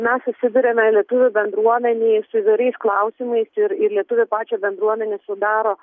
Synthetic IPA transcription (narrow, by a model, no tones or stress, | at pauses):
mʲɛsʊsʲɪd̪ʊɾʲeːmʲɛlʲiɛt̪ʊʋʲʊbʲɛnd̪ɾuɔmʲɛnʲeːsʊiːʋɐɪɾɛɪsklˠɐʊsʲimɐɪsɪɾɪɾlʲiɛt̪ʊʋʲʊpɑːt͡ʃʲɛbʲɛnd̪ɾuɔmʲɛnʲeːsʊd̪ɑːɾoː